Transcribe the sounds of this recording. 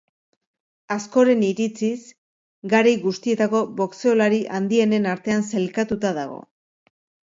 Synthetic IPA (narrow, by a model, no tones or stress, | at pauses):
asko̞ɾe̞niɾit͡sis | ɡaɾajɣust̪ie̞t̪ako̞βo̞kse̞o̞laɾiʔand̪ie̞ne̞naɾt̪e̞anse̞lkat̪ut̪aðaɣ̞o̞̰